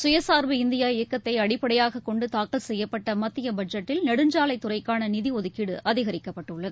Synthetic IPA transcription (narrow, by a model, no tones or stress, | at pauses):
sʊjɐsaːɾʋɯɪnd̪ɪjaːɪjɐkːɐt̪ːɐɪɐɽɪpːɐɽɐjaːɣɐkːɔɳɖɯt̪aːkːɐlsɛjːɐpːɐʈːɐmɐt̪ːɪjɐbɐɖd͡ʒɐʈːɪlnɐɽɯɲd͡ʒaːlɐɪt̪ːʊrɐɪkːaːnɐnɪðiɔðɯkːɪɽɯʔɐðɪɣɐɾɪkːɐpːɐʈːɯɭːɐðɯ